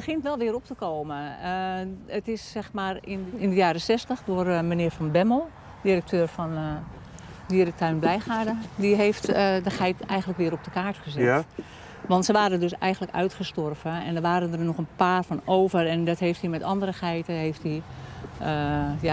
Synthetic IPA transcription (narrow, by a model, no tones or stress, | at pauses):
bəxɪntʋɛlˠʋɪəɾop̚təkoːmə | ətɪsːɛxmaːrɪnɪndəjaːɾəsɛstəxdoərmənɪːfɔnbɛmo | dirək̚tʰøːrfɔn | diərək̚tʰaɥnblɛjxaːdədiɦeːftdəxɛjtɛjɣəntləkʋɪːəɾop̚dəkaːrtxəzɪ | ʋɑntsəʋaːɾədøsɛ̰jɣəntləkœ̰ɥtχəstɔrvəɛ̰ndəʋaːɾəndərnɔxənpaːrfɔnoːvərɛndɔtɦeːfthimɛtɑndərəxɛjtəɦeːfti | əja